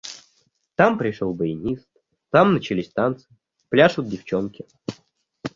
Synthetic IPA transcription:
t̪ampɾʲɪʂolˠbəɪnʲist̪̚ | t̪amnət͡ɕɪlʲisʲt̪ant̪sɨɪ | plʲaʂʊd̪̚dʲɪft͡ɕonkʲɪ

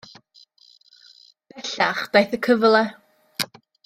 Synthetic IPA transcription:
pɛɬaχd̥ajθəkʰəvlˠɛ

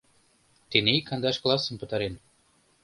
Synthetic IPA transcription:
t̪enekɑnd̪ɑʃklˠɑsə̆npə̆t̪ɑɾen

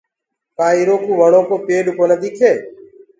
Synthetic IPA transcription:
kaːiːɾoːkʰuːʋəɳoːkʰoːpeːɗʊkoːnəd̪iːkʰeː

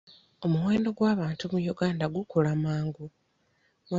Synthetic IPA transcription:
o̞muwe̞ːndo̞ɡwaːβaːntumujuɡaːndaɡukulamaːŋɡu | mw

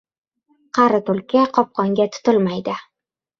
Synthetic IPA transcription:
qʰɑɾɪt̪ʰʊlˠkʲʰaqʰɒp̚qʰɒŋɡʲat̪ʰʊ̥t̪ɪlmajd̪ɪ

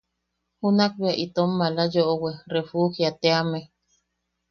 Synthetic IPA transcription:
hunak̚biaʔit̪omːalajoʔowerefuhjat̪eame

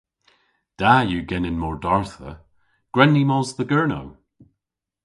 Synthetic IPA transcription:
d̥ajuːɡɛnɪnmɔɹdɔɹθə̰ | ɡ̥ɹɛnːimɔːzðəɡɜɹno̰w

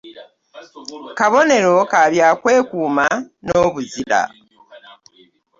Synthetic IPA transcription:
kaβo̞ne̞ɾo̞kaβjakwe̞ːkuːmanoːβuziɾa̰

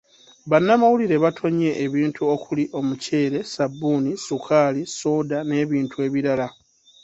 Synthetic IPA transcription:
βanːamawuliɾe̞βatʰo̞ɲe̞ʔːβiːntʰuo̞kuliʔo̞muce̞ːɾe̞sabːuːnisukʰaːliso̞ːdane̞ːβiːntʰue̞ːβiɾala

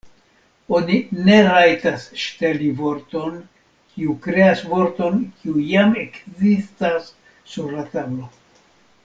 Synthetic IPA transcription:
o̞nine̞ɾajtasʃtelivo̞ɾto̞n | kʰiukɾe̞asvo̞ɾto̞nkʰiujame̞kzistasː | uɾlatablo̞

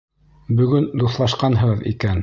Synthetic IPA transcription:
bɵ̆ɡɵnd̪uθlˠɑʃqɑnɦɤ̆ʁɤðḭkæn

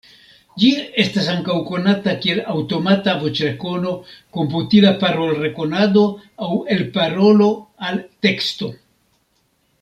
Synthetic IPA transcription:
d͡ʒie̞stasaŋkawko̞natakie̞lawto̞matavot͡ʃɾeko̞no̞ko̞mputilapaɾo̞lɾe̞ko̞nad̪o̞awe̞lpaɾo̞lo̞alte̞ksto̞

